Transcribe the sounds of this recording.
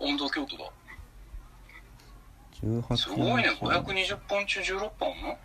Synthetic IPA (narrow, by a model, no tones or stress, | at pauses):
õnd̪okʲoːt̪od̪a̰ | d͡ʑɨːhaɯɡoineɡoçʲjakɯ̟ɲiʑɨpːõnt͡ɕɨːʑɨːɾopːõno